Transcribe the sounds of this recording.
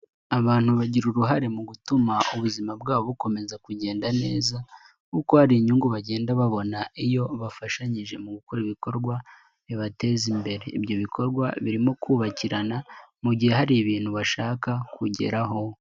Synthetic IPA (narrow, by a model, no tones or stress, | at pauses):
aβaːn̥huβaɟiɾuɾuɦaɾe̞muɡutumauβuzimabɡaːβoβuko̞me̞zakuɟe̞ːndane̞ːza | kukohaɾiɲuŋɡuβaɟe̞ːndaβaβo̞naijo̞βafaʃaɲiʒe̞muɡukoɾiβiko̞ɾɡwa | βiβate̞ːzimbe̞ɾe̞ibjo̞βikʰo̞ɾɡwaβiɾimo̞kʰuːβaciɾanamuɟihe̞haɾiβiːn̥huβaʃaːkakʰuɟe̞̰ɾaɦo̞